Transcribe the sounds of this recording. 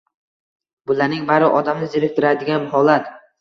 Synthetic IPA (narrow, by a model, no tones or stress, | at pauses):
bʊlaɾnɪŋbaɾɪʔɒd̪amnɪzeɾek̚ʲt̪ʰɪɾad̪ɪɡʲanhɒlˠat̪